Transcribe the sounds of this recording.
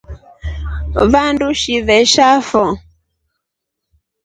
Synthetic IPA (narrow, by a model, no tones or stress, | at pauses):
βanduʃiβɛʃafɔ